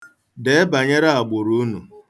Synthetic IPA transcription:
de˨˦e˦ba˨ɲe˦ɾa˦a˨ɡ͡bʊ˨ɾu˦nṵ˨

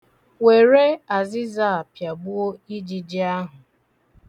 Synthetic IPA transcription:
we˨ɾe˦a˨zɪ˦za˦˨pja˨bu˦o˦i˦d͡ʒi˨d͡ʒɪ˦a˦ɦʊ˨

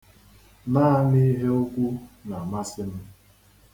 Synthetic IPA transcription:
naː˦ni˦ɦe˦ʊ˦kʷu˦na˨ma˦sɪ˦m̩˦

